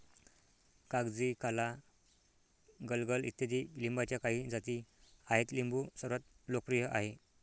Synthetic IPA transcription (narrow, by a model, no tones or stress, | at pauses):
kaɡd͡zikala | ɡəlɡəlḭt̪jad̪ilimbat͡ɕjakaɦid͡zat̪iaɦet̪limbusəɾʋat̪̚ | lok̚pɾijəʔaɦe